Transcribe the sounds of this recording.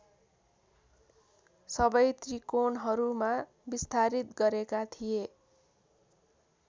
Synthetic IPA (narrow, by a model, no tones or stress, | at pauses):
sʌbʌjt̪rikonɦʌɾuma | bist̪ʰaɾit̪̚ɡʌɾekat̪ʰije